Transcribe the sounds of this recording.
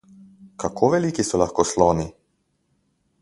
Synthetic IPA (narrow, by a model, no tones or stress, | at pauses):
kʰakʰɔʋɛlikisulaxkɔslˠɔni